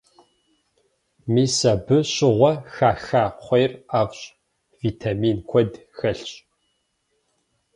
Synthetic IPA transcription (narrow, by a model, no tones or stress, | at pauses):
miːsɐbɨɕɪʁʷɔxaːxaːqʷejraːvɕ | viːtʰaːmiːnkʷʰɔd | xɐɬɕʼ